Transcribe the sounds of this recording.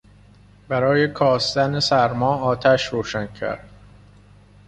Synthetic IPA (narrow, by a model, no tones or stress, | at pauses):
bæɾɒːjekʰɒːst̪ænesæɾmɒːɒːt̪ʰæʃɾoːʃæncʰæ̰ɾd̪̥